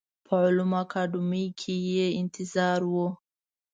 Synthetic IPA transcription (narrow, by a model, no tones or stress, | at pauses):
pʰəʕʊlumakʰɑɖʊmikʰejeɪnt̪ʰɪzɑːɾwo